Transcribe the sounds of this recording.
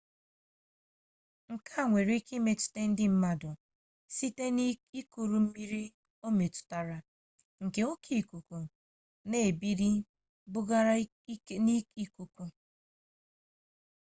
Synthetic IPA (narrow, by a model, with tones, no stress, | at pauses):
ŋ̩˨kʰa˦˨ŋʷe˨ɾi˦ki˦me˨tʊ̥˨te˦n̩˦dɪ˦m̩˦ma˦dʊ˨ | si˦te˦n˦i˦ku˨ɾu˨m̩˦mi˦ɾi˦ | o˦me˨tʊ̥˨ta˨ɾa˦˨ | ŋ̩˨ke˦o˦kʰi˦˨ku˨ku˨ | ne˦˨e˨bi˦ɾi˦ | bʊ˦ɡa˦ɾa˦ | ni˦i˦ku˦ku˦